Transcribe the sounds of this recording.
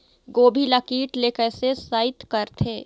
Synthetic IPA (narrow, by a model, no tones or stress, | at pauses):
ɡoːbʱilakiːʈleːkəsesaːɪt̪kɐɾt̪ʰeː